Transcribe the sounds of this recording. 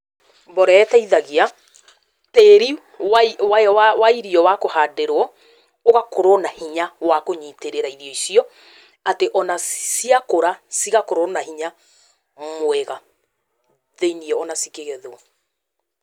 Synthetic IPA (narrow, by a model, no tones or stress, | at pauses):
bɔɾɛːtɛiðaɣia | teːɾi | wawawawaiɾiɔwakohadeɾɔ | oɣakoɾɔnahiɲawakoɲiteɾeɾaiɾiɔisiɔ | ateʔɔnasiakoɾasiɣakoɾɔnahiɲa | mwɛɣa | ðeiniɔːnasikeɣɛðwɔ